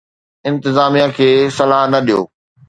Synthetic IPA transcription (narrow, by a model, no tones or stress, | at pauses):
ɪ̃nt̪ɪzaːmijakʰeːsɐlaːɦnɐɗijo̰ː